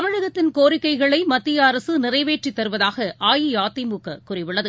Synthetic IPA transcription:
ɐmɐɻɯðɐt̪ːɪnkoːrɪkːɐɪɣɐɭɐɪmɐt̪ːɪjɐːɾɐsɯnɪrɐɪʋeːʈrit̪ːɐɾɯʋɐðaːɣɐʔaːjijaːt̪ːimukːɐkʊrɪʋɪɭːɐðɯ

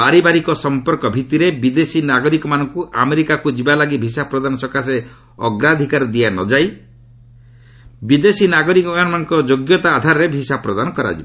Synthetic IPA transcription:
baɾibaɾikɔsɔmpɔɾkɔbʱit̪iɾebid̪esinaɡɔɾikɔmanɔŋkuʔameɾikakud͡ʒibalaɡibʱisapɾɔd̪anɔsɔkase | ɔ̰ɡɾad̪ʱikaɾɔd̪ianɔ̰d͡ʒaj | bid̪esinaɡɔɾikɔanɔmanɔ̃ŋkɔd͡ʒoɡjɔt̪aːd̪ʱaɾɔɾebʱisapɾɔd̪anɔkɔɾa̰d͡ʒḭba

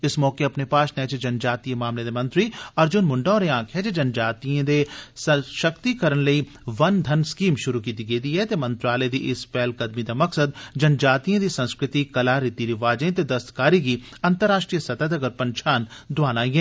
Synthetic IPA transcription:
ɪsmɔːkeɐpnepaːʃnɛ̃ːt͡ʃed͡ʒɐnd͡ʒaːt̪ijəmaːmled̪emɐ̃nt̪ɾiɐːɾd͡ʒʊnmʊ̃ɳɖãːɾeãːkʰɦɛd͡ʒed͡ʒɐnd͡ʒaːt̪iẽd̪esʃɐkt̪ikɐɾənlɐi | ʋɐnd̪ʱɐnskiːmʃʊɾukiːt̪iɡeːd̪iɦɛt̪emɐ̃nt̪ɾaːled̪iʔɪspɛːlkɐd̪mid̪amɐksəd̪d͡ʒɐnd͡ʒaːt̪ijẽd̪isɐ̃nskɾɪt̪ikɐlaɾɪt̪iɾiʋaːd͡ʒə̃ẽt̪ed̪ɐst̪kaːɾiki | ɐ̃nt̪əɾaːʃʈɾiːjəsɐt̪əd̪ɐɡəɾpɐ̃nʃʰaːnd̪ʊʋaːnaːĩɡɛ̃ː

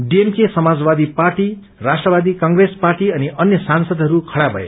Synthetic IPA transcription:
ɖiemkesʌmad͡zbad̪iparʈi | rasʈrʌbad̪ikaŋɡresparʈiʌniʌnjʌsansʌd̪ɦʌɾukʰʌɽabʱʌ̰ḛ

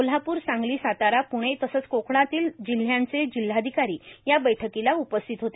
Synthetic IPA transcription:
ol̤apuːɾsãŋɡliːsat̪aɾapuɽ̃et̪əsət͡skokʰɽ̃at̪iːld͡ʑil̤jãnt͡sed͡ʑil̤ːad̪ʱikaɾiːjabəjʈʰəkilaupəst̪ʰit̪ɦot̪e

